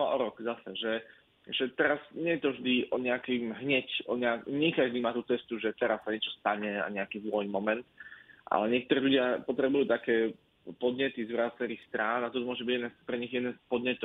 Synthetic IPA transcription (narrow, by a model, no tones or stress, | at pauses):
ɔʔɔɾɔɡzasɛʒɛ | ʒɛt̪ɛɾazɲɛjɛt̪ɔvʒd̪iʔɔɲɛakimɦɲɛcɔɲɛakɲɛkaʒd̪imaːt̪uːt͡sɛst̪uʒɛt̪ɛɾasːaɲɪɛt͡ʃɔst̪aɲɛa̰ɲɛakiːzlɔjimɔmɛnt̪ʔa̰lɛɲɪɛk̚t̪ɔɾɛːlʎuɟɪapɔt̪ɾɛbujuːt̪akɛː | pɔd̪ɲɛt̪izʋɾat͡sɛɾiːxst̪ɾaːnat̪ɔt̪ɔmʊɔʒɛbiɟɛd̪nɛːspɾɛɲiɣjɛd̪nɛːspɔd̪ɲɛt̪ɔ